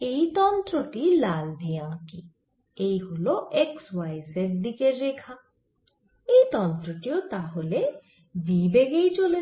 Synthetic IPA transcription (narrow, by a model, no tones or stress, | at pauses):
ejt̪ɔnt̪ɾɔʈilald̪ʱijãki | ejɦoloʔekswajsek̚d̪ikeɾekʰa | ejt̪ɔnt̪ɾɔʈiot̪aɦole | bibeɡejt͡ʃole